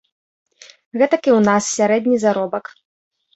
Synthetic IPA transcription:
ɣɛt̪ɐkʲiwnassʲaɾɛd̪ʲnʲizaɾɔbɐk

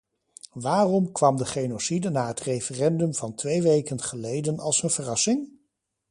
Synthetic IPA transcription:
ʋaːrɔmkʋɑmdəχejnosidənaːɦətrejfərɛndɵmvɑntʋejʋejkənχəlejdənɑlˠsənv̥ərɑsɪŋ

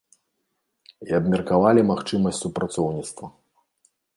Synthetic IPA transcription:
iɐbmʲɛrkavalʲimaxt͡ʂɨmɐsʲtʲsupɾat̪sɔwnʲit̪st̪vɐ

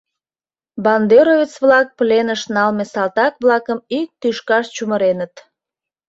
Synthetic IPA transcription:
bɑnd̪eɾovet͡sβlɑk̚plenəʃnɑlmesɑlt̪ɑkβlɑkəmik̚t̪yʃkɑʃt͡ɕuməɾenət̪

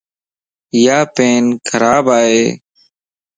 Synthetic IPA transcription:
jaːpeːnkʰəɾaːbaːɦeː

